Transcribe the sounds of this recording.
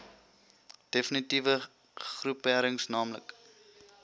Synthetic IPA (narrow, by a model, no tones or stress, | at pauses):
d̥efənitivə | χrupːæɾəŋsnɑːmlə̰k